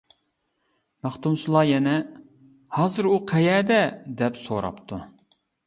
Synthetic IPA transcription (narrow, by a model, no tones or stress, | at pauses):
mæχt̪umsɨlˠɑːjɛnɛ | hɑːzɨɾuqʰɛjɛːd̪ɛd̪ɛpsoɾɑ̰pt̪ʰu